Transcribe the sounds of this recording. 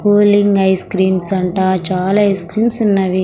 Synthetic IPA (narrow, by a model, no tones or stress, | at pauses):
puːliŋɡɐjskɾiːmsɐɳʈaːt͡ʃaːlaːɐjskɾiːmsunːɐʋi